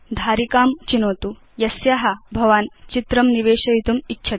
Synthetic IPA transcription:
d̪ʱaːɾikaːmt͡ʃinoːt̪u | jɐsjaɦɐbʱɐʋaːnt͡ʃit̪ɾɐmniʋeːʃɐjit̪umitːʃʰɐ

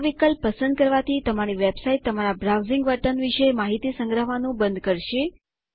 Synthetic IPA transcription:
ʋikəlpːəsə̃nd̪̚kəɾʋat̪ʰit̪əmaɽ̃iʋebsait̪ːəmaɾabɾawziŋɡʋəʈənʋiʃemaɦit̪isə̃ŋɡɾəɦʋanũbə̃nd̪kəɾʃe

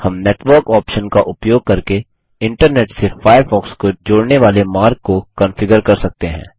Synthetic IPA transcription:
hɐmneːʈʋəɾkɔːpʃənkaʔʊpjoːɡ̚kɐɾke | ɪ̃ɳʈəɾneːʈsefaːjəɾfɔːkskod͡ʒoːɽneʋaːlemaːɾkːokə̃nfɪɡəɾkɐɾsɐk̚t̪eɦɛ̰̃ː

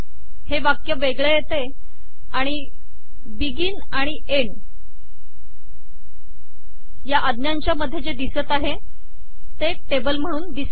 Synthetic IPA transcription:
heʋakjəʋeɡɭejet̪e | aɽ̃i | biɡiːn | aɽ̃i | eɳ | jaʔəd̪njaɲt͡ɕjaməd̪ʱjed͡zed̪isət̪aɦe | t̪eʈebəlm̤əɽ̃uːnd̪isə

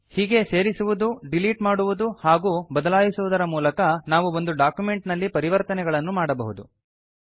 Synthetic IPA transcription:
hiːɡe̞se̞ːɾisuʋud̪uɖiliːʈmaːɽuʋud̪uhaːɡuːbɐd̪ɐlaːjisuʋud̪ɐɾɐmuːlɐkɐnaːʋuo̞nd̪uɖaːkjume̞ɳʈnɐlːipɐɾiʋɐɾt̪ɐnɛɡɐɭɐnːumaːɽɐbɐɦud̪ṵ

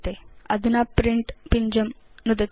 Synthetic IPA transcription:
t̪eɐ̰d̪ʱunapɾiɳʈpiɲd͡ʒɐmnud̪ɐt̪

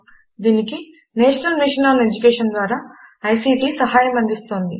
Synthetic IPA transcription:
d̪iːniki | neːʂɐnɐlmiʂɐnaːled͡ʒukeːʂɐnd̪ʋaːɾaːɐjsiːʈiːsɐɦaːjɐmɐnd̪ist̪o̞ːnd̪i

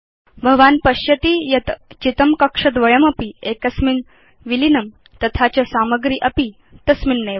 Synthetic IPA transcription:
bʱəɡʋaːnpɐɕjɐt̪ijɐt̪t͡ɕit̪əmkɐkʂɐd̪ʋɐɭɐmɐpiekɐsmin | ʋilinɐm | t̪ɐt̪ʰat͡ɕɐsamɐɡɾiːʔɐpi | t̪ɐsminːe

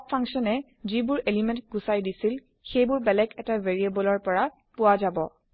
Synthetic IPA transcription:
p̚pʰãŋksɔnɛ | zibʊɹelimɛ̃ntɡusajdisil | xejbʊɹbɛlɛkɛtaveɹiebɔlɔɹpɔɹa | pʊwazabɔ

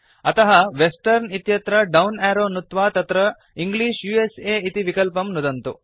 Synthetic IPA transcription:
ɐt̪ɐɦɐʋesʈɐɾnit̪jɐt̪ɾɐɖɐwnaːɾoːnut̪ʋaːt̪ɐt̪ɾɐ | iŋɡliːʂjuːeseːit̪iʋikɐlpɐmnud̪ɐnt̪u

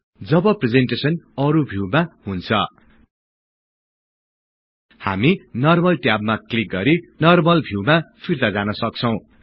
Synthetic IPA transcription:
d͡zʌbʌpred͡zenʈesʌnʌɾubʱiwmaɦunt͡sʰʌ̰ | ha̰minʌrmʌlʈjab̚maklik̚ɡʌɾinʌrmʌlbʱiwmapʰirt̪ad͡zanʌsʌk̚t͡sʰʌw̃

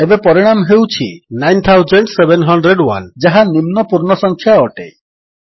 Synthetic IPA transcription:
ebepɔɾiɽ̃amɦewt͡ʃʰinajnt̪ʰawzeɳɖsebenɦɔɳɖɾeɖwa̰nd͡ʒaɦanimnɔpuɾɳɔsɔŋkʰjaɔʈḛ

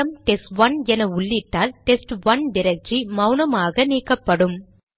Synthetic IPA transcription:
ɐmʈɛsʈʋɐnɛnɐʊɭːɪʈːaːlʈɛsʈʋɐnɖɪɾɐk̚ʈt͡ʃimɐʊnɐmaːɣɐniːkːɐpːɐɽɯm

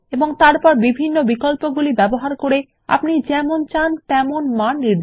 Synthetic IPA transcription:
eboŋt̪aɾpɔɾbibʱinːobikolpoɡulibɛboɦaɾkoɾe | a̰pnid͡ʑɛmont͡ɕant̪ɛmonmanːiɾd̪

